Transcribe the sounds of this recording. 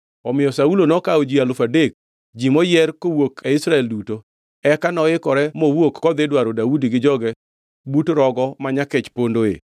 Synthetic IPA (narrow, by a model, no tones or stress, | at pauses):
ɔmɪjɔsaulonɔkaod͡ʒialʊfadek̚ | d͡ʒimɔjɛrkowokʰeɪsɾaɛlduto | ɛkanɔɪkɔɾɛmowokkːɔd̪ɪdwaɾodaudiɡɪd͡ʒɔɡɛ | butɾɔɡɔmaɲakɪt͡ʃpondoḛ